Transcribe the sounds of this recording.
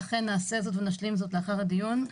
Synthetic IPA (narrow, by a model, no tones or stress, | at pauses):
χenːaːse̞zo̞tvenaʃlimzo̞t̪leaχaʁad̪ijun